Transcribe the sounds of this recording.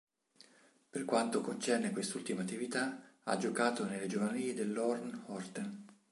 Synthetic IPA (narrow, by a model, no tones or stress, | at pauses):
perkwant̪okont͡ʃɛrnekwest̪ult̪imat̪ːivit̪aa̰d͡ʒokaːt̪oneled͡ʒovanaliːed̪elːɔrnhɔrt̪en